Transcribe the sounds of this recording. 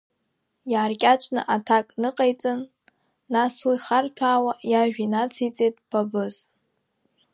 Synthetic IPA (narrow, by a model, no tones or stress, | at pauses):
jaːrkʲʼat͡ʃʷʼʰnɨ̰ʔatʰakʼnɨqʼejt͡sʼɨnː | aswiχartʰaːwajaʒᶣinat͡sʰijt͡sʼejtʼpʰabɨz̥